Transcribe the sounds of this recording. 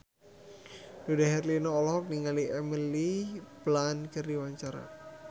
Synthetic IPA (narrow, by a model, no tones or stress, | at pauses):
dudaɦɛrlinɔːlɔhɔk̚niŋaliʔɛməliplankərdiwaɲt͡ʃaɾa̰